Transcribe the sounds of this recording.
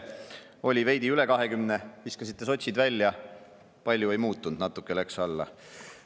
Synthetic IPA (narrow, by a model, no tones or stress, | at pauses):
o̞lʲive̞jd̪̥iyle̞kɑɦe̞kymne̞hiskɑsit̪ˑːe̞so̞t̪ʲsʲid̪vælʲːjɑ | pɑlʲjue̞jmuːt̪ːˑund̪̥nɑt̪ːˑukːˑeleksɑlːɑ̰